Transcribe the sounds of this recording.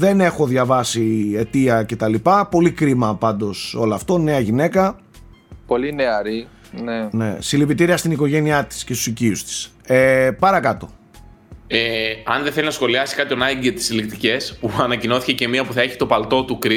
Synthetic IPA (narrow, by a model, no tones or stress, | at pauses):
ðe̞ne̞xo̞ðʝɐvɐsie̞t̪iɐce̞t̪ɐlipɐpo̞likɾimɐpɐnd̪o̞so̞loɐft̪o̞ne̞ɐʝine̞kɐ | po̞lineɐɾi | nene̞̰silipit̪iɾiɐst̪iniko̞ʝe̞niɐt̪i̥sce̞st̪u̥siciust̪i̥s | epɐɾɐkɐt̪o̞̰ | eɐ̰nðeθe̞linɐsxo̞liɐsi̥kɐt̪çonɐɟet̪i̥silikt̪ice̞spuɐnɐcino̞θi̥cece̞miɐpuθɐe̞çi̥t̪o̞pɐlt̪o̞t̪ukɾi